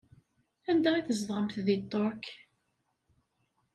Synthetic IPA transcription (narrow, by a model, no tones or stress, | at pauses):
ænd̪æiθəzd̪ˤʁəmθðit̪ˤːoɾk